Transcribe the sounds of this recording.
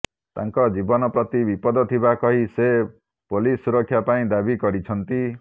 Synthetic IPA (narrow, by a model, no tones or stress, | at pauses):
t̪a̰ŋkɔd͡ʒibɔnɔpɾɔt̪ibipɔd̪ɔt̪ʰibakɔɦise | polisuɾɔkʰːjapaĩd̪abikɔɾit͡ʃʰɔnt̪i